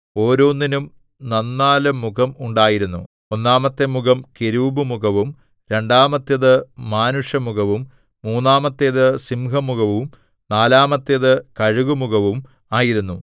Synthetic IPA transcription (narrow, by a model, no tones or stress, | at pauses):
o̞ːɾoːnːinum | nɐnːaːlɐmːuɣɐmuɳɖaːjiɾunːṵ | o̞nːaːmɐt̪ːɐmːuɣɐmkeɾuːbɨmuɣɐʋum | ɾe̞ɳɖaːmɐt̪ːjɐðɨmaːnuʂjɐmuɣɐʋumː | uːnːaːmɐt̪ːjeðɨsimɦɐmuɣɐʋum | naːlaːmɐt̪ːjɐðɨkɐɻuɣumuɣɐʋum | aːjiɾunːu